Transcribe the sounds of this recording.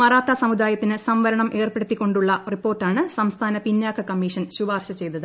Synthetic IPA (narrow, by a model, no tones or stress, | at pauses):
mɐraːt̪ːɐsɐmud̪aːjɐt̪ːinɨsɐmʋɐɾɐɳɐmʔe̞ːrpeɽut̪ːikʲːo̞ɳɖuɭːɐripːo̞ːrʈːaːɳɨsɐmst̪ʰaːnɐpinjaːkʰːɐkɐmːiːʂɐnɕuʋaːrɕɐt͡ɕe̞jt̪ːɐðɨ